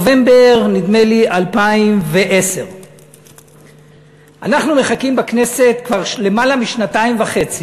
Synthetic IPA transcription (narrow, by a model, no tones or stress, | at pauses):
ve̞mbeʁnid̪me̞liʔalpaimve̞ʔe̞se̞ʁ | ʔanaχnume̞χakimbakne̞se̞t̪kvaʁʃle̞malamiʃnataimvaχe̞t͡si